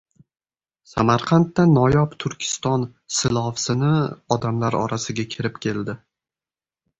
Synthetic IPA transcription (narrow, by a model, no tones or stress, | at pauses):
samaɾqʰant̪ːanːɒjɒpt̪ʰʊɾkʲʰɪ̥st̪ɒnsɪlˠɒfsɪnɪɒd̪amlaɾɒ̰ɾasɪɡʲakʲʰɪɾɪp̚kʲʰe̞ld̪ɪ